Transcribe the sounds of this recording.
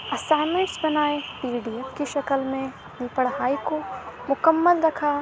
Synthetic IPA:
ɐsaːɪmə̃ɳʈsbɐnaːepiːɖiːepkeʃɐkəlmẽ | nipəɽɦaːikomʊkəmːəlɾɐkʰa

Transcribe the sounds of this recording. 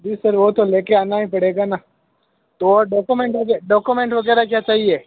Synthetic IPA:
d͡ʒiːsəɾʋot̪oleːkeaːnaɦĩpɐɽeːɡaːna | t̪oɖɔːkumẽɳʈɐɡɛɖɔːkumẽɳʈʋɐɡɛːɾakjaːt͡ʃaːɦieː

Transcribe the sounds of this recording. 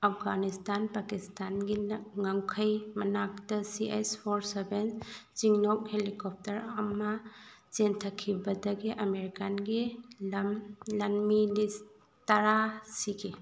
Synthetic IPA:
ɐpʰɡanistanpakistanɡiŋaŋkʰɐjmɐnak̚tɐsiʔespʰoɾsebent͡ʃiŋnok̚helikɔp̚tɐɾɐmɐ | t͡ʃentʰɐkʰːibɐdɐɡiʔɐmeɾikanɡimlɐnmilis | tɐɾasiɡi

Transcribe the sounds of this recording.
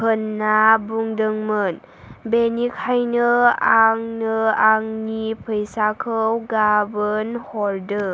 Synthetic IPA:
pɯnːabuŋdɯŋmɯn | benikʰajnɯaŋnɯaŋnipʰɯjsakʰɯwɡabɯnhɔɾdɯ

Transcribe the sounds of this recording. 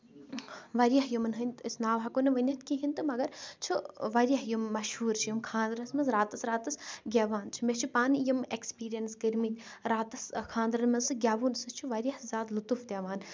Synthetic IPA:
ʋɐɾijɐɦjumɐnɦɨnʲt̪isnaːʋɐkonɐʋɐnʲɐt̪kiɦinʲt̪ɨmɐɡɐɾt͡ʃʰuʋɐɾʲjɐɦjumːɐʃhuːɾt͡ʃʰijimkʰãːnd̪ɾɐsmɐnzɾaːt̪ɐsɾaːt̪ɐsɡʲaːʋaːnt͡ʃʰi̥met͡ʃʰupaːnjimekspiːɾijɐnsɡɐɾmit̪ʲɾaːt̪ɐskʰãːnd̪ɾɐnmɐnsɨɡʲaːʋuːnsɨt͡ʃʰuʋɐɾijɐhzaːd̪lut̪ufd̪ʲaːʋaːn

